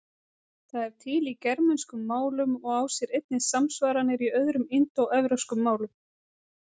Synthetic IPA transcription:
θaðɛɾ̥t̪ʰɪlicɛɾmɛnskʏmːaːwlʏmɔɣaːwsjɛɾejt̪̚nɪsamsvaːɾanːɪɾiœðɾʏmɪnt̪owɛvɾowskʏmːaːwlʏm

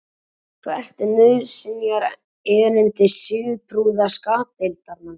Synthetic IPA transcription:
kʰvɛr̥t̪ɪnʏsɪnjaɾ | ɛːɾɪnt̪ɪsɪðpɾuðaskaːt̪elt̪aɾman

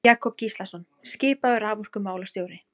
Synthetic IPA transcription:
aːkʰɔp̚cislasɔn | scɪːpaðʏɾaːvur̥kʏmaːwlast̪joːwɾɪ

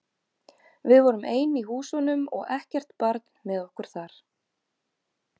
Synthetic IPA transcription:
vɪðvɔɾʏmeːjniɦuːsɔnʏmɔ̰ɣɛhcɛr̥t̪paɾt̪n̥mɛðɔhkʏɾ̥θaɾ̥

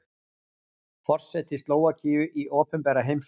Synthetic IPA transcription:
fɔr̥sɛt̪ɪst̪loːwaciːʏʔiʔɔːpɛnpɛːɾaɦejms

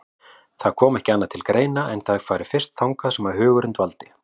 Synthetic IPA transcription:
θaðkʰɔːmɛhcɪanːat̪ʰɪlkɾeːjnaʔɛnθakʰfaːɾɪ̥fɪr̥st̪̚θawŋkasɛmvaɾɦʏːɣʏɾʏnt̪valt̪ɪ̥

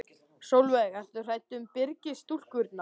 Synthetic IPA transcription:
sowlvɛɣḁθʏr̥aːjt̪ʏmpɪɾcɪst̪ul̥kvʏɾt̪na

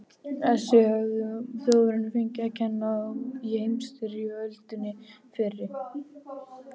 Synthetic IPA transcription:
ɛsɛhœɣðʏθjoːwɾɪnʏfejɲcɪacʰɛnːajhejmst̪ɪɾiœlt̪ʏnːɪfɪɾːɪ

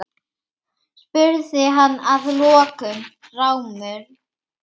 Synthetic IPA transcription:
spʏɾðɪɦanːaðlɔːkʏm | rawmʏɾ̥

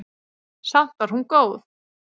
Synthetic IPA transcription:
san̥t̪vaɾhunkoːwθ

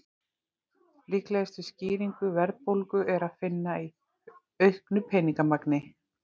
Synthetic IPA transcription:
lihklɛðst̪ʏsciːɾiŋkʏvɛɾðpowlkʏʔɛɾaðfɪnːai | œɥhknʏpʰɛːniŋkamaknɪ

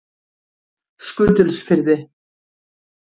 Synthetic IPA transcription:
skʏːt̪ʏlsfɪɾðɪ

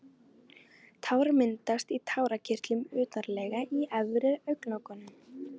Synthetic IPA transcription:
t̪ʰawɾamɪnt̪ast̪it̪ʰaːwɾacʰɪr̥t̪lʏmʏːt̪aɾlɛjɣaiɛvɾɪɾœɥknawkɔnːʏm

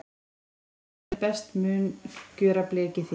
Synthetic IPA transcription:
lpɛst̪mʏːncœːɾaplɛːcɪθ

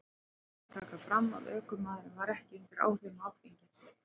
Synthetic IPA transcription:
t̪ʰaːkafɾamːa̰ðœːkʏmaːðɾɪmvaɾɛhcɪeŋt̪aɾa̰ːwr̥ɪnɔfiɲcɪns

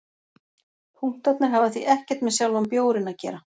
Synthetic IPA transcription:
pʰuŋ̥t̪at̪nɪɾɦavaθviʔɛhcɛɾ̥t̪mɛðsjawlampjoːwɾɪnacɛ̰ːɾa

